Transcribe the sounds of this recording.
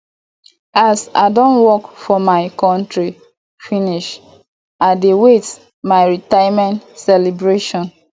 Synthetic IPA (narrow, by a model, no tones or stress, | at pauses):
asa̰ɪdɔ̃nwɔkfɔmaɪkɔ̃ntɹi | finiʃ | adewet | maɪɹitajmɛ̃ntsɛlibɹeʃɔ̃n